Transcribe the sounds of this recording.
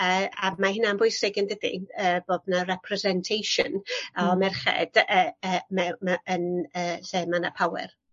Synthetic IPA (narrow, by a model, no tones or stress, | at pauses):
əːamahɪnanbʊjsɪɡəndədḭəːb̥oːdnarɛpʰrɛzɛntʰejʃɔ̰nɔmɛrχɛ̰d̥əəːmɛmaənəːɬeːmanapʰawɪ̰r